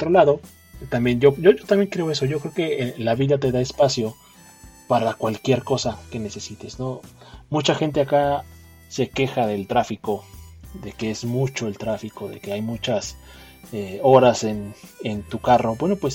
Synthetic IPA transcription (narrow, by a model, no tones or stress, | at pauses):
ot̪ɾolaðo̞ | t̪ambjenɟ͡ʝo̞ʝoʝot̪ambje̞ŋkɾe̞o̞e̞so̞ʝo̞kɾeokelaβiðat̪e̞ðae̞spasjo̞ | paɾakwalkje̞ɾko̞sake̞ne̞se̞sit̪e̞zno̞mut͡ʃaxe̞nt̪̬e̞aka | se̞ke̞xaðe̞lt̪ɾafiko̞ðe̞kee̞zmut͡ʃo̞e̞lt̪ɾafiko̞ðe̞̰ke̞ajmut͡ʃas | eo̞ɾase̞nent̪ukaro̞bweno̞pwes